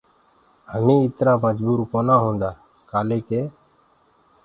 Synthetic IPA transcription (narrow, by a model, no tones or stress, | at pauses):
həmĩːɪt̪ɾaːməd͡ʒbuːɾpoːnaːɦõːnd̪aː | kaːleːkeː